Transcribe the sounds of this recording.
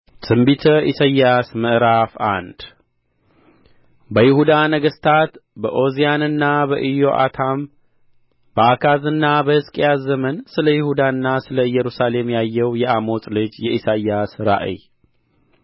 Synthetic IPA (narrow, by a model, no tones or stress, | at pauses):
tʰɨmbit̪ʰəʔisajːasməʔɾafa̰nd̪̥ | bəjɪhud̪anəɡəst̪ʰat̪bəʔo̞zijanɨnːabəʔɨjoʔa̰t̪ʰam | bəakʰazɨnːabəhɨskʼjazəmənsɨləjɪhud̪aɨnːasɨləjːɛɾusale̞mjajːɛwjɛʔamo̞t͡sʼlɨd͡ʒjɛʔisajasɾa̰ʔḭj